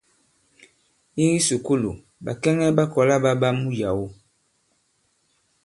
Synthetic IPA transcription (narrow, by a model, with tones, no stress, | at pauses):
i˦ɣi˦su˨ku˦lṵ˨ | ba˨kɛ˦ŋɛ˦ba˦kɔ˨la˦ba˦ba˦mu˦ja˨wo˦